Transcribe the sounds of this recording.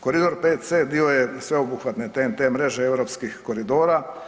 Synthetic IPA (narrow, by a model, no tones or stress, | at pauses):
koɾid̪oɾpet̪sed̪iojesʋeobuxʋat̪net̪emt̪emɾeʒeeʋɾopskixkoɾid̪oːɾa